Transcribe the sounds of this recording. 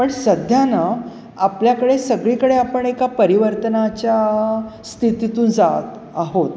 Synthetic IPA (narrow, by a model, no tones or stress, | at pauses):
pəɳsəd̪ʱjana | apljakəɽesəɡɭikəɽeapəɳekapəɾiʋəɾt̪ənat͡ɕjast̪ʰit̪it̪uːnd͡zat̪ | aɦot̪